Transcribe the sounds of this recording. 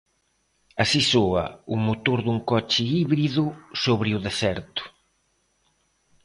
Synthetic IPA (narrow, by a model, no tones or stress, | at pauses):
asisoɐ̰ʊmot̪oɾðuŋkɔt͡ʃɪiβɾiðʊsoβɾɪʊðesɛɾt̪ʊ̥